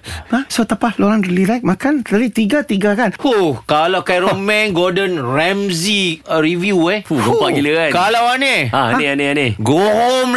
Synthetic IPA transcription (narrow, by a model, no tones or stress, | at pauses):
asot̪apahloɾanrililajk̚mãkanalit̪iɡat̪iɡakanhukalawkajɾomɛnɡɔdənrɛmziɾivjueuɡəpaʔɡiliakalawaneaaneaneaneɡoɦom